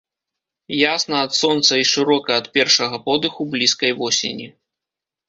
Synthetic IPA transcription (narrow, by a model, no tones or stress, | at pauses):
jasnɐɐt̪sɔnt̪sɐiʂɨɾɔkɐɐt̪pʲɛrʂɐɣɐpɔd̪ɨxublʲiskɐjvɔsʲḛnʲi